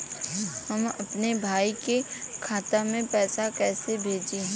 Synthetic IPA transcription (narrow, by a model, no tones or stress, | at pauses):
hɐmɐpnebʱaːikekʰaːt̪amẽpɛːsakɛːsebʱeːd͡ʒeɦɛ̃